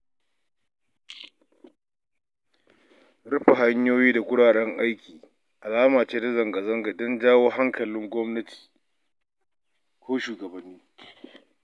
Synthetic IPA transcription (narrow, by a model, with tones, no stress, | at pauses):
ɽɐ˦ɸa˨ɦa˦ɲjoː˦jiː˦da˨ɡʷʊ˦ɽaː˨ɽɛ˦ŋʔa˦jkʲiː˨ | ʔa˨laː˦maː˨t͡ʃeː˦da˦zɐ˨ŋɡɐ˨zɐ˦ŋɡa˨dɔ˦nd͡ʒaː˦woː˦ɦa˦ŋkʰɐ˨lɪ˦ŋɡʷɔ˦mnɐ˦tʰi̥ː˨ | kʷoː˦ʃuː˨ɡɐ˨bɐ˨nːiː˦